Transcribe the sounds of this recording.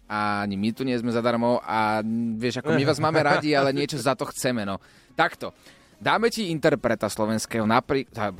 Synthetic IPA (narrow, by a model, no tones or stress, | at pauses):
aaɲimit̪uɲɪɛzmɛzad̪aɾmɔʔaʋɪɛʒakɔmiʋaːzmaːmɛɾaɟialɛɲɪɛt͡ʃɔzat̪ɔxt͡sɛmɛnɔ | t̪akt̪ɔ | d̪aːmɛciint̪ɛɾpɾɛt̪aslɔʋɛnskɛːɦɔnapɾiːka